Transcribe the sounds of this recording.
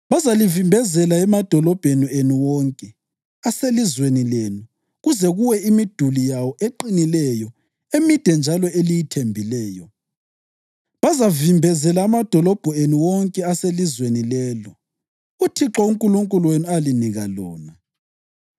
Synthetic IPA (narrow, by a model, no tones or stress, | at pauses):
βazalivimbʱɛzɛlaɛmad̥ʱɔlɔb̥ʱenienuwɔŋkʼɛ | aselizwenilenu | ɣuzɛɣuwɛimid̥ʱulijawɔʔeǃinilɛjɔ | emid̥ʱɛnd͡ʒʱalɔelijitʰembʱilɛːjɔ | βazavimbʱɛzɛlaːmad̥ʱɔlɔb̥ʱɔenuwɔŋkʼɛaselizwenilɛːlɔ | utʰiǁɔuŋkʼuluŋkʼuluwenialiniɣalɔ̰ːna